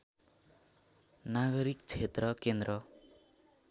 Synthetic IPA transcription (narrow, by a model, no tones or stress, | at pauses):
naɡʌɾikt͡ʃʰet̪ɾʌkend̪ɾʌ